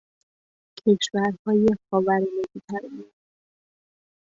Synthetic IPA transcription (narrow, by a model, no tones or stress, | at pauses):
kʰeʃvæɾhɒːjexɒːvæɾneɡit̪ʰæɾmud̪